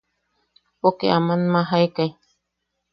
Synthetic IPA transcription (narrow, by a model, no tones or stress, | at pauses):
pokeʔamanmaɦaekaj